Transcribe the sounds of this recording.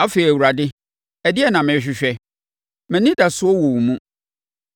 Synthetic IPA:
a˦feː˨ɾi˨æ˨wu˨ɾa˨dɪ˦ | ɛ˨dɪ˦ɛ˦˨nã˨mɪ̃˨ɕᶣɪ˨ɕᶣɛ˦ | mɛ̃˨nĩ˦da˨sʊ˦ɔ˦wɔ˨wu˨mũ˦

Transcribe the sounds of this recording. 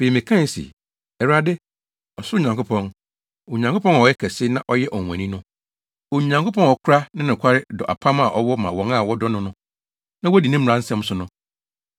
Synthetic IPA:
fe˨i˨mɪ̃˨kʰã˦n˨˦sḭ˨ | ɛ˨ɾa˦dɪ˦ | ɔ˨sʊ˦˨ɲã˨ŋkʰo˦pʰɔ̃˦n | o˨ɲã˨ŋkʰo˦pʰɔ̃˦n˨ɔ˨jɛ˦kʰɛ˨sɪ˦nã˦ʔɔ˦jɛ˦ʔɔ˨ɛ̰̃˨nĩ˦nʊ̃˦ | o˨ɲã˨ŋko˦pɔ̃˦nɔ˨kʰʊ˦ɾa˦nɪ̃˦nɪ̃˨kʷʰa˦ɾɪ˦dɔ˨ʔa̰˨pʰã˦m˦a˨ʔɔ˨wɔ˦mã˨wɔ̃˨ŋa˦˨wɔ˦dɔ˦nʊ̃˦nʊ̃˦ | nã˦wɔ˦di˨nɪ̃˦m̩˨ɾã˦n̩˦sɛ̃˦m˦sʊ˨nʊ̃˦

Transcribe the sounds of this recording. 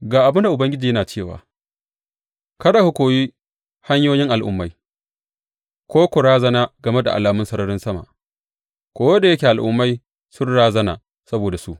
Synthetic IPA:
ɡaː˨ʔa˨bnda˨ʔʊ˨bɐ˦ŋɡʲɪ˦d͡ʒiː˨jɐ˦naː˨t͡ʃeː˦˨wa̰ː˨ | kɐ˦ɽa˨hʊ˦kʷoː˨jiː˦ | ha˦ɲjoː˦jɪ˦ŋʔa˨lʔʊ̰˦mːa˦j | kʷoː˦kʷʊ˨ɽaː˦zɐ˦naː˦ɡɐ˨me˦da̰˨ʔa˨laː˨mʊ˦sɐ˦ɾɐ˦ɽɪ˦nsɐ˦ma̰˨ | kʷoː˦wɐ˦da˨jɐ˦kʲeː˨a˨lʔʊ̰˦mːa˦j | sʊ˦nɽaː˦zɐ˦na̰ː˨ | sɐ˦boː˨da˨su˦ʔ

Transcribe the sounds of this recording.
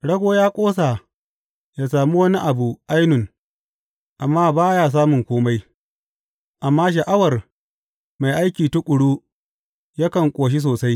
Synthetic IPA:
ɽɐ˦ɡʷoː˦jaː˦kʷʼoː˦s̬aː˨ | jaː˨saː˨mu˦wɐ˦ni˦ʔa˨bu˨ʔa˦jnʊ˨ŋ | ʔa˨mːaː˦baː˦jaː˦˨s̬aː˦mʊ˨ŋkʷoː˦ma˦j | ʔa˨mːaː˦ʃ̬ɐ˨ʔa˦wɐ˨r | ma˨jʔa˦jkʲiː˨tʊ˦kʷʼʊ˨ɽuː˦ | ja˦kɐ˨ŋkʷʼoː˨ʃ̬i˦s̬oː˨sa˦j

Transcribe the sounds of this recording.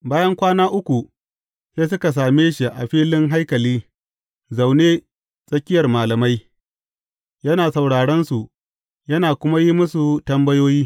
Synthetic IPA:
baː˦jɐ˦ŋkʷaː˦naː˦ʔʊ˦kʷu˨ | seː˦s̬ʊ˦ka˨s̬aː˨meː˦ʃi˨ʔa˨ɸiː˦lɪ˦ŋɦa˦jkɐ˨liː˦ | za˨wneː˦ | sʼɐ˦kʲɪ˦jɐ˨rmaː˨lɐ˨ma˦j | jɐ˦naː˨sɐ˨wɽaː˨ɽɛ˦nsu˨ | jɐ˦naː˨kʷʊ˦ma˦ji˦mʊ˦su˨tɐ˦mbɐ˦joː˦jiː˦

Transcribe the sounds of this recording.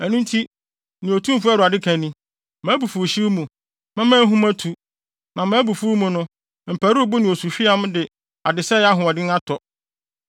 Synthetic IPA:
æ˨nũ˦n˦tʰi˦ | nɪ̃˨o˨tʰũ˦m˦fʊ˦æ˦du˨a˨dɪ˦kʰæ̃˨nĩ˦ | mæ̃ː˨˦bu˨fu˨ɕi˦ɾmũ˨ | mɛ̃˦mæ̃˦ɦũ˦mã˦tʰu˨ | nã˨mã˨˦bu˨fu˦mũ˨nʊ̃˦ | m̩˨pʰæ˨ɾu˦˨bʊ˦nɪ̃˨o˨su˨ɕᶣi˦a˦m˦dɪ˨ | a˨dɪ˨sɛ˦ja˦ɦʊ̃˨ɔ˨dɪ˦ŋ˦ã˦tʰɔ˨

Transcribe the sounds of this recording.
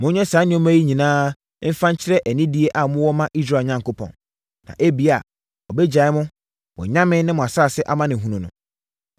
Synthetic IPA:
mʊ̃˦ɲɛ̃˦saː˨˦nɪ̃˦ɔ˦mæ˦ji˦ɲĩ˨nãː˦ | m̩˦fã˦ɲ̩˦t͡ɕʰɪ˦ɾɛ˦ʔæ˨nĩ˦di˦e˦ʔa˨mʊ̃˦wɔ˦mã˦ʔi˦s̬ɾa˦˨ɲã˨ŋko˦pʰɔ̰̃˨n | nã̰˨ʔe˦bi˨a˨ | ɔ˨bɛ˦d͡ʑa˨˦ɪ˦mʊ̃˦ | wɔ̰˨ɲã˦mɪ̃˦nɪ̃˦mʊ̃˨a˨sa˦˨sɛ˦ʔa˦mã˦nɪ̃˨ɦũ˦nũ˨nʊ̰̃˨

